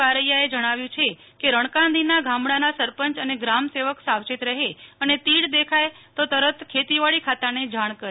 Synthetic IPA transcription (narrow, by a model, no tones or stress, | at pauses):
aɾəjaed͡ʒəɽ̃aʋjũt͡ʃʰe | keɾəɳ̃kãnd̪ʱinaɡʱãmɽanasəɾpəɲt͡ʃəneɡɾamseʋəksawt͡ʃit̪ɾəɦeənet̪iɽd̪ekʰaj | t̪ot̪əɾət̪kʰet̪iʋaɭikʰat̪aned͡ʒaɽ̃kəɾ